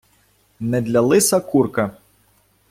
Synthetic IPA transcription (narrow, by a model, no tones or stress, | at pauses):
nɛd̪lʲɐlˠɪsɐkurkɐ